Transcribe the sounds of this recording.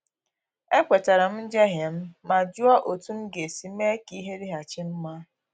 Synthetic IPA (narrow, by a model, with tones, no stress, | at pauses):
e˦kʷe˨ta˨ɾa˨m̩˦n̩˦d͡ʒe˦ɦje˨m̩˦ma˨d͡ʒu˦a˦ʔo˨tu˦m̩˦ɡe˨si˨me˦ki˦ɦe˦ɾi˦ɦa˨t͡ʃi˦m̩˦ma˦